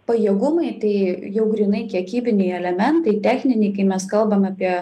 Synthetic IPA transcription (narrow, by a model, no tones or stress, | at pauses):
pɐjiɛɡʊmɐɪt̪ɐɪjɛʊɡɾʲinɐɪkʲiɛkʲiːbʲɪnʲɛɪɛlʲɛmʲɛnt̪ɐɪt̪ʲæːxʲnʲɪnʲɛɪkɐɪmʲɛskɐlˠbɐmɐːpʲiɛ